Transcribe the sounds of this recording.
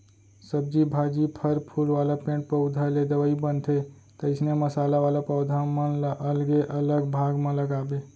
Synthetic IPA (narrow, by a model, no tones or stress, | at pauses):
səb̚d͡ʒibʱaːd͡ʒipʰəɾpʰuːlʋaːlapẽːɳʈ̚pəʊd̪ʱaled̪əʋaibənt̪ʰe | t̪əɪsneməsaːlaʋaːlapəʊd̪ʱamə̃ʔəlɡeʔələɡbʱaːɡmãləɡaːbe